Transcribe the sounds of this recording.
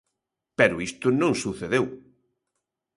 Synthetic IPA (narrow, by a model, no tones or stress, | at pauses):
pɛɾʊist̪ʊnõŋsuθeðew